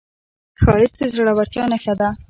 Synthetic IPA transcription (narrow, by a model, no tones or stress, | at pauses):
xɑjɪsd̪ezɾaɽawaɾt̪jɑnaxad̪a